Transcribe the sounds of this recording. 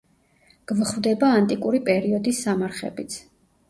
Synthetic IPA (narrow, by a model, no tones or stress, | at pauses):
ɡ̥vχvd̪ɛbaːnt̪ʼikʼuɾipʼɛɾiɔd̪isːamaɾχɛ̰bit̪sʰ